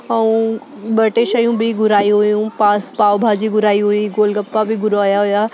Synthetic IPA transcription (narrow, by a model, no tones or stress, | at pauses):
ɐũ | bɐʈeʃəjũbʱiɡʊɾaːiɦojũpaːpaːʋbʱaːd͡ʒiɡʊɾaːiɦuiɡoːlɡəpːabʱiɡʊɾaːjaɦoːjaː